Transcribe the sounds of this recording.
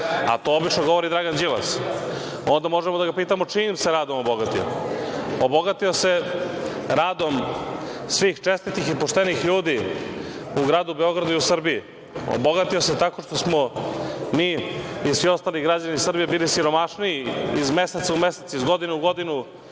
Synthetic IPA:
a̰t̪o̞obit͡ʃnoɡoʋo̞ɾid̪ɾaɡand͡ʑila̰s | o̞nd̪amo̞ʒemod̪aɡapiːt̪amot͡ʂiːmse̞ɾaːd̪o̞moboɡat̪io̰oboɡat̪io̞se̞ | ɾaːd̪o̞m | sʋiːxt͡ʃe̞st̪it̪ixipoʃt̪enixʎuːd̪i | uɡɾaːd̪ubeo̞ɡɾad̪uiusr̩bii | o̰boɡat̪ioset̪ako̞ʂt̪osmomiːisʋio̞st̪aːliɡɾad͡ʑanisr̩bijebiːlisiɾo̞maʂniiizme̞set̪saumeset̪izɡo̞d̪inuuɡo̞d̪inu

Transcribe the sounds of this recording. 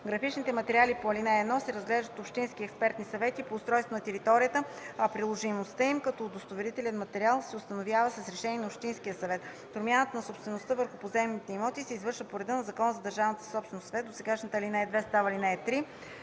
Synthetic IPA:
ɡɾɐfit͡ʃnit̪ɛmɐt̪ɛɾʲialipoɐlinaɛd̪nɔsɛɾəzɡlɛʒd̪ət̪opʃt̪inskiɛkspɛɾt̪nisɐvɛt̪ipoːst̪ɾɔjst̪vonɐt̪ɛɾit̪ɔɾijət̪əɐpɾilˠoʒimost̪əimkɐt̪ɔːd̪ost̪ovɛɾit̪ɛlɛnmɐt̪ɛɾialˠsɛʊst̪ɐnovjavəsɐsɾɛʃɛniɛnopʃt̪insk̟ijəsɐvɛt̪ | t̪ʊɾmʲjanət̪ənɐsopst̪vɛnost̪əvəɾxʊpozɛmnit̪ɛimɔt̪isɛizvɤɾʃvəpoɾɛd̪ənɐzɐkɔnəzɐd̪ɐɾʒavnət̪ə̥sɔpst̪vɛnosɐvɛt̪d̪osɛɡaʃnət̪əːlinaɛd̪vɛst̪avəlinɛɛt̪ɾi

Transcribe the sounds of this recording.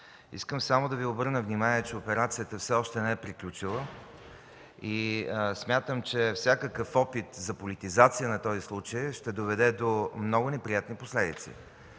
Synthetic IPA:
ḭskəmsamod̪ɐviobɤɾnəvnimaniət͡ʃɛopɛɾat̪sijət̪əfsɛɔʃt̪ɛnɛɛpɾiklʲut͡ʃilˠə | ismʲjat̪əmt͡ʃɛfsʲjakəkəfɔpit̪zɐpolit̪izat̪sijənɐt̪ɔzislˠut͡ʃəjʃt̪ɛd̪ovɛd̪ɛd̪omnɔɡʊnɛpɾijat̪niposlɛd̪ḭt̪sḭ

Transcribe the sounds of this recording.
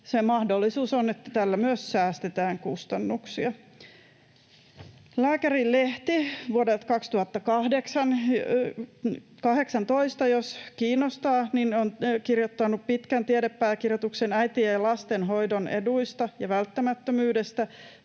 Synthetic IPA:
semɑhdolːisuːsonet̪ːæt̪ælːæmyøssæːst̪et̪æːŋkust̪ɑnːuksiɑ | læːkærilleht̪iʋuodet̪kɑkst̪uhɑt̪ːɑkɑhdeksɑn | kɑheksɑnt̪o̞ist̪ɑjoskiːnːost̪ɑːninonkirjot̪ːɑnuppit̪kænt̪iedepːæːkirjot̪uksenæjt̪ielɑst̪enɦo̞jdonḛduist̪ɑjɑʋælt̪ːæmæt̪ːømyːdest̪æ

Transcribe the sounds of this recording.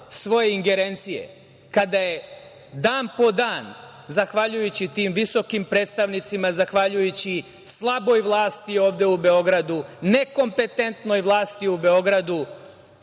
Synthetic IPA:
sʋo̞jeiŋɡe̞ɾe̞nt̪sije̞̰ | kad̪aje | d̪aːnpo̞d̪aːn | zaxʋaʎujut͡ɕit̪iːmʋiso̞kimpɾe̞ːt̪st̪aʋnit̪simazaxʋaʎujut͡ɕi | slˠabo̞jʋlˠaːst̪io̞ːʋd̪e̞ube̞o̞ɡɾad̪une̞ko̞mpe̞t̪e̞nt̪no̞jʋlˠaːst̪iube̞o̞ɡɾad̪u

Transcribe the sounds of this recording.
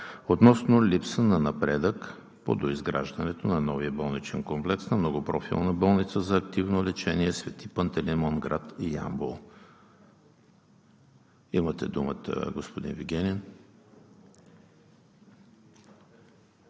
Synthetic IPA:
ot̪nɔsnolipsənɐnɐpɾɛd̪ək | po̰d̪oizɡɾa̰ʒd̪ɐnɛt̪onɐnɔviəbɔlˠnit͡ʃɛnkomplɛksnɐmnɔɡʊpɾɔfḭlˠnəbɔlˠnit̪səzɐːk̚t̪ivnolɛt͡ʃɛniɛsvɛt̪ipənt̪ɛlɛmɔnɡɾat̪ija̰mbolˠ | imət̪ɛ̰d̪umət̪ə̰ɡospod̪inviɡʲɛnʲɛn

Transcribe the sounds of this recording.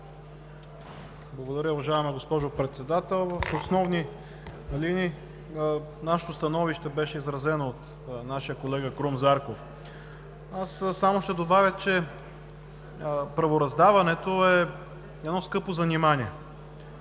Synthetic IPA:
blˠɐɡod̪ɐɾʲəuvɐʒaɛmɐɡospɔʒopɾɛt̪sɛd̪at̪ɛlˠvɐfosnɔvni | lini | naʃə̥t̪ost̪ɐnɔviʃt̪ɛbɛʃɛizɾɐzɛnoːt̪ | naʃijəkolɛɡəkɾumzaɾkof | assamoʃt̪ɛd̪obavʲjət͡ʃɛ | pɾɐvoɾɐzd̪avɐnɛt̪oɛ | ɛd̪nɔskɤpozɐnimaniɛ

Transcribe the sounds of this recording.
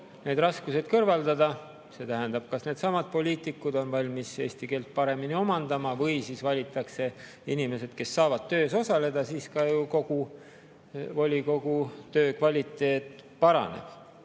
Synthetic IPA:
ne̞ːd̪̥rɑskuse̞d̪̥kɤrvɑld̪ɑd̪ɑ | se̞ːt̪æɦænd̪̥ɑb̥kɑsne̞ːd̪̥sɑmɑd̪̥̚po̞lʲiːt̪ˑikːˑud̪o̞nvɑlʲmise̞ːst̪ikeːlt̪̚pɑɾe̞minio̞mɑnd̪ɑmɑvɤjsiːsvɑlʲit̪ːˑɑkse̞ | inime̞se̞d̪̥ke̞sːɑːvɑd̪̥̚t̪ø̞ːso̞sɑle̞d̪̥ɑsiːskɑjuko̞ɡ̥u | vo̞lʲiko̞ɡ̥ut̪ø̞ːkvɑlʲit̪ːˑe̞ːt̪ːˑpɑɾɑ̰nḛb̥

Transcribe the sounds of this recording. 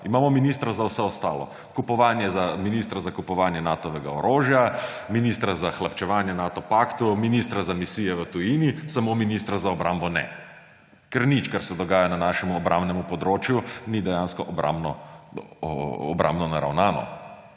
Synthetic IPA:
imaːmɔminist̪ɾazawsɛɔst̪a̰ːlɔ̰ | kupɔʋaːnjɛzaminist̪ɾazakupɔʋaːnjɛnat̪ɔʋɛɡa̰ɔɾʔoːʒjaminist̪ɾazaxlapt͡ʃɛʋaːnjɛnaːt̪ɔpaːkt̪uminist̪ɾazamisiːjɛʋət̪ujiːnisamominiːst̪ɾazaɔbɾambɔnɛ̰ | kɛɾnit͡ʃkaɾsɛd̪ɔɡaːjananaʃɛmuɔbɾʔa̰mbnɛmupɔd̪ɾoːt͡ʃjunid̪ɛjanskɔʔba̰mnɔ | ɔ̰bɾa̰mbnɔnaɾa̰wnaːnɔ̰

